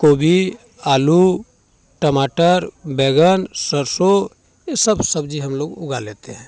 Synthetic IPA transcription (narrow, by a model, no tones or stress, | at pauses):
koːbʱi | aːlu | ʈəmaːʈəɾbɛɡənsəɾso | jesəbsəbd͡ʒiɦəmloːɡʊɡaleːt̪eɦɛ̃ː